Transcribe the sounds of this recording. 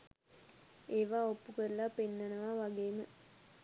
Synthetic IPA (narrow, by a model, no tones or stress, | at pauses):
eːʋaːopːukəɾəlapinːənəʋaʋaɡeːmə